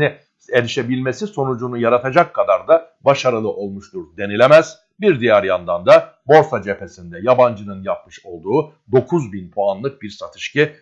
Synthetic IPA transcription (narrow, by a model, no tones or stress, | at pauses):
ni | e̞ɾiʃe̞bilʲme̞siso̞nud͡ʒunujaɾat̪ʰad͡ʒakʰːad̪aɾd̪a | baʃaɾɯlˠɯʔo̞lˠmuʃt̪uɾd̪e̞nilʲe̞mæz̥ | biɾd̪ijæɾjand̪and̪a | bo̞ɾsad͡ʒe̞pʰe̞sind̪ɛjaband͡ʒɯnɯnjap̚mɯʃo̞lˠd̪uː | d̪o̞kʰuzbinpʰoanlˠɯk̚biɾsat̪ʰɯ̥ʃcɯ